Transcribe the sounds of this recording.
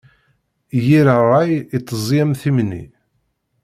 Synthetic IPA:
jiɾərˤːɑjit̪ˤːəzˤjæmθimnḭ

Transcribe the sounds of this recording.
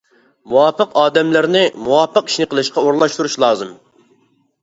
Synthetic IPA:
muwɑpːəqɑːd̪ɛmlɪɾnɪmuwɑpʰːəqi̥ʃnɨqʰəlˠɨʃqɑoɾlˠɑʃt̪uɾuʃlˠɑːzɨm

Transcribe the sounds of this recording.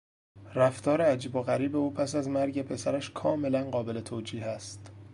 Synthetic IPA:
ræft̪ʰɒːɾeæd͡ʒiːboɣæɾiːbeuːpʰæsæzmæɾɟe̞pʰe̞sæɾæʃkʰɒːme̞lænɢɒːbe̞le̞t̪ʰoːd͡ʒiːhæst̪

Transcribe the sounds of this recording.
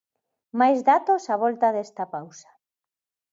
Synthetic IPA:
majzðat̪osaβ̞ɔlt̪aðest̪apawsḁ

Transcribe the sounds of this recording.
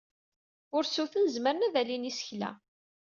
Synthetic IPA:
ʊɾsuθənəzməɾnæðælinisə̥çlæ̰

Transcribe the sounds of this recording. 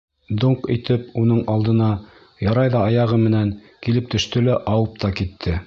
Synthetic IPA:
d̪oɴqit̪ɘpunɤɴɑlˠd̪ɤ̆nɑ | jɑɾɑjðɑɑjɑʁɤmɘ̆næŋ | kilɘp̚t̪ɵ̆ʃt̪ɵlæʔɑwɤp̚t̪ɑkit̪ʰːɘ

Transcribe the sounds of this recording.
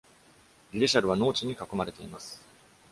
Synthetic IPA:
ɾʲiɾeɕaɾɯ̟β̞ano̞ːt͡ɕiɲ̟ikako̞maɾe̞t̪e̞imasɨ̥

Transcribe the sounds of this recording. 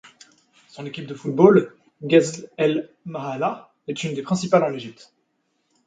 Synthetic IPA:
sɔ̃nekʲip̚d̪əfut̪̚bol | ɡʲazɛl | maʁala | ɛt̪ynd̪epχɛ̃sipalɑ̃leʒip̚t̪

